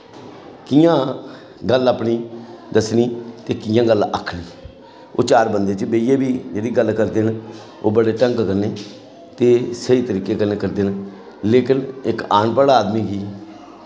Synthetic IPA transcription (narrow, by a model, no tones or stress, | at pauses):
kijãː | ɡələːpɳiːd̪əsniːt̪eːkɪjãːɡələ̰kʰniː | o̰ːt͡ʃaːɾbənd̪eːt͡ʃəbeːijeːbiːd͡ʒeːɾiːɡəlkəɾd̪en | o̰ːbəɽeːʈəŋkkəɾneː | t̪eːsəiːt̪əɾiːkeːkəneːkəɾd̪eːn | leːkɪnɪkaːnpəɽaːd̪miːɡiː